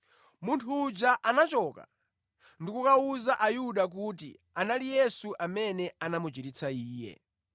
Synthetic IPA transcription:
muntʰuːd͡ʒaʔanat͡ʃɔːka̰ | ndikukauzaʔajuɗak̬utḭ | analijɛsuʔamɛnɛanamut͡ʃiɾit͡sʰaiːjɛ̰

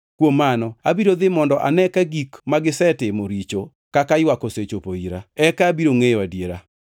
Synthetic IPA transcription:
kwomːanɔabiɾod̪ɪmɔndɔʔa̰nɛkaɡikmaɡɪsɛtɪmoɾit͡ʃo | kakajwakoset͡ʃopoiɾa̰ɛkaːbiɾoŋejwadjeɾa

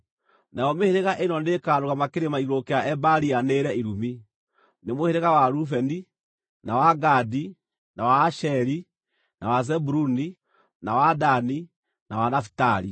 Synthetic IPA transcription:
najɔmeheɾeɣaʔenɔnekaːɾoɣamakeɾemaiɣokeaʔɛbaɾianeːɾɛiɾumi | nemoheɾeɣawaɾufɛni | nawaɡadi | nawaːʃɛɾi | nawazɛbuɾuni | nawadani | nawanafi̥taɾḭ

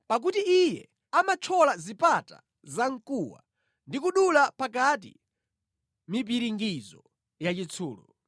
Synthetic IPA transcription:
pak̬utiijɛ̰ | amat͡ʃʰɔlazipata̰ | zaŋ̩kuwa̰ | ndikuɗulapakatḭ | mip̬iɾiŋɡizɔ | jat͡ʃit͡sʰuːlɔ̰

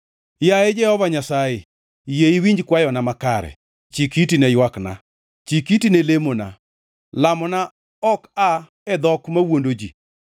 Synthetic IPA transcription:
jaed͡ʒɛhɔvaɲasaje | jeiwiɲd͡ʒkwajɔnamakaɾɛ̰ | t͡ʃikitinɛjwakna̰ | t͡ʃikitinelemona̰ | lamɔna | ɔka | ɛd̪ɔkmawondod͡ʒi

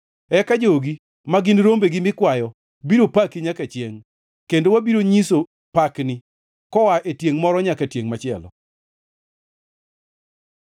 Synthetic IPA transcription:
ɛkad͡ʒoɡi | maɡɪnɾombeɡɪmɪkwajɔ | biɾopakiɲakat͡ʃjeŋ | kendowabiɾoɲiso | paknɪ | kɔwaʔetjeŋmɔɾɔɲakatjeŋmat͡ʃɪɛ̰lɔ̰

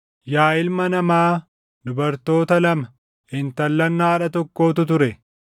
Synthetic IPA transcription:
jaːɪlmɐnɐmaː | d̪ʊbɐɾt̪o̞ːt̪ɐlɐmɐ | ɪnt̪ɐlːɐnːaːᶑɐt̪ɔkːo̞ːt̪ʊt̪ʊɾɛ

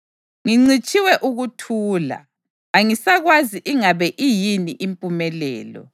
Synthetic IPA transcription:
ŋiŋ͡ǀit͡ʃʼiwɛʔuɣutʰuːla̰ | aŋisaɣwaziʔiŋaβɛʔijiniʔimpʼumɛlɛ̰ːlɔ̰

